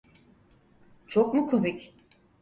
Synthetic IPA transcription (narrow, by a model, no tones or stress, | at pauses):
t͡ʃʰokmukʰomicʲ